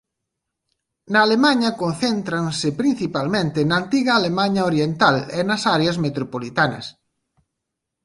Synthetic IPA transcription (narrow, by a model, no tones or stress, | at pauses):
nɐːlemaɲɐkõn̟θent̪ɾansɪpɾin̟θipalmẽnt̪ɪnɐːnt̪iɣɐːlemaɲaoɾjent̪alenɐsaɾeɐzmet̪ɾopolit̪anɐ̰s